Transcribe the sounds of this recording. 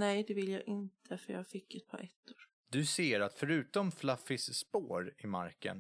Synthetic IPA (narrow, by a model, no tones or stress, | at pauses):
nɛjd̪ɛvɪljɑ̰ːɡʔɪnt̪ʰəfœɾjɑ̰ːɡfɪkːɛt̪̚pʰɑ̰ːɾʔɛt̪ʰːʊɾ | d̪ɵseːɾat̪fœɾʉ̟ːt̪ɔmflafɪsːpoːɾɪma̰ɾkə̰n